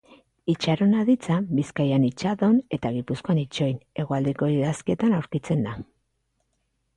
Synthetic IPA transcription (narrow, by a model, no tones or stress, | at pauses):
it͡ʃaɾo̞naðit͡sabiskajanit͡ʃaðo̞ne̞t̪aɣ̞ipusko̞anit͡ʃo̞jne̞ɣ̞o̞ald̪eko̞iðaskie̞t̪anawɾkit͡se̞nd̪a